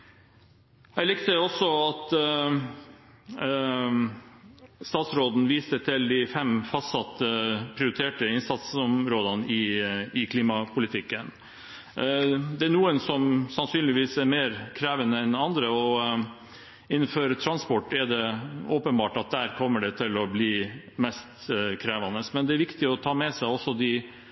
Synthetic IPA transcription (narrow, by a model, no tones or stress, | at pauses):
jæɪlɪkt̪əɔsːɔɑt̪ | st̪ɑːt̪sɾoːd̪n̩ʋiːst̪ət̪ʰɪld̪ɪfɛmfɑst̪sɑt̪ːəpʰɾɪʊɾɪt̪ʰeːʈəɪnsɑt̪sɔmɾoːd̪ɑnəɪɪkʰliːmɑpʰʊlɪt̪ʰɪkːən | d̪ɛæɳuːənsɔmsɑnsyːnlɪʋiːsɛɾmeːɾkʰɾɛːʋənəɛnɑnd̪ɾəɔ | ɪnːənfɔɾt̪ʰɾɑnspɔʈːɛɖɛoːpənbɑːʈɑt̪̚d̪æːɾkʰɔmːəɖɛt̪ʰɪlɔbliː | mɛst̪kʰɾɛːʋɑnəsmɛnd̪ɛæɾʋɪkt̪ɪɔt̪ʰɑːmɛsæɪɔsːɔd̪ɪ